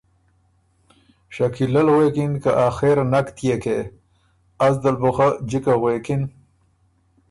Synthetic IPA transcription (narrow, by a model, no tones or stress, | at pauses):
ɕɐkʰilɐlɣwekinkaʔaːxeɾnɐkt̪jeke | azd̪alboxad͡ʑikaɣwekin